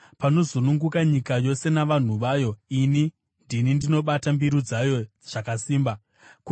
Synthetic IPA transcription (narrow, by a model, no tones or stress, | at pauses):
pano̞zunuŋɡukaɲikajo̞se̞naʋan̤uʋaːjo̞ini | ndinindino̞ɓatambiɾud͡zajo̞ | ʐ̥akasiːmba | k